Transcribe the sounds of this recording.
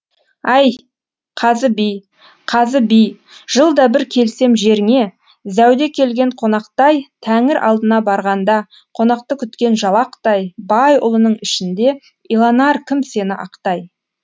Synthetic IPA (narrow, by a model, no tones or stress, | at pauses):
ɑj | qʰɑzəbij | qʰɑzəbij | ʒ̥əlˠd̪ɑbɪɾkʲʰe̞lse̞mʒe̞ɾɪŋe̞ | zæwd̪e̞kʲʰe̞lɡʲe̞ɴqʰo̞nɑqt̪ɑjt̪ʰæŋɪɾʔɑ̰lˠd̪ənɑbɑɾʁɑnd̪ɑ | qʰo̞nɑqt̪əkʲʰʏt̪kʲe̞nʒɑlˠɑqt̪ɑjbɑjʊ̰lˠənəɴɪʃɪnd̪e̞ | ilˠɑnɑɾkʲʰɪmse̞nɪʔɑqt̪ɑj